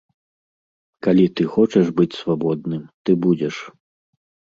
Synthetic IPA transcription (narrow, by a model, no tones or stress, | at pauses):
kalʲit̪ɨxɔt͡ʂɛʐbɨt͡sʲsvabɔd̪̚nɨmt̪ɨbud͡zʲɛʂ